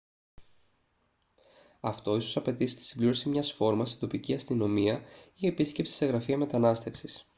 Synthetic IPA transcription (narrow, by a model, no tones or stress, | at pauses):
ɐft̪o̞iso̞sɐpe̞t̪isi̥t̪i̥sibliɾosimɲɐsfo̞ɾmɐst̪id̪o̞piciɐst̪ino̞miɐie̞pisce̞psi̥se̞ɣɾɐfiɐme̞t̪ɐnɐst̪e̞fsis